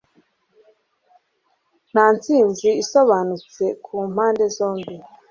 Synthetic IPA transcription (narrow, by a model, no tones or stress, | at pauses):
n̥aːnt͡siːnziːso̞βaːnut͡se̞kʰuːm̥haːnde̞zo̞ːmbi